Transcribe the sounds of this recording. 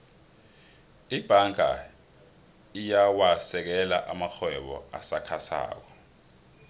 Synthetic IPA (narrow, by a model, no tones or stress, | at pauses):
ib̥ʱaŋa̰ | ijawasɛk̬ɛlaʔamaxʰwɛɓɔ̰asakʰasa̰ːk̬ɔ